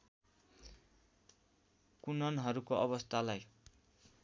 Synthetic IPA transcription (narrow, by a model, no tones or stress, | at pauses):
kunʌnɦʌɾukoʔʌβʌst̪ʰalaj